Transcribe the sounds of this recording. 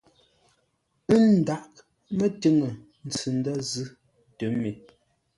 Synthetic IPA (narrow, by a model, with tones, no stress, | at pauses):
ɨ˦n̩˨da˨ʔ̚ | mə˦tə˦ŋə˨ | n˨t͡sɨ˨n˦də˦zɨ˦ | tə˨˦me˨